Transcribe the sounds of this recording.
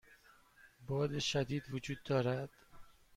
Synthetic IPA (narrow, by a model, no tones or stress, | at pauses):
bɒːd̪eʃæd̪iːd̪vod͡ʒuːd̪ːɒːɾæd̪̥